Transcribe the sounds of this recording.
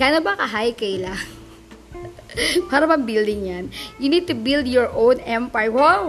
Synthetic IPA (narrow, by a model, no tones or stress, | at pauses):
ɡ̥anobɐkɐɦajkɐjlaŋ | paːɾɐmɐŋbild̪ɪŋjanjunid̪̚t̪ubild̪jɔɹʔõwnɛ̃mpajwɔ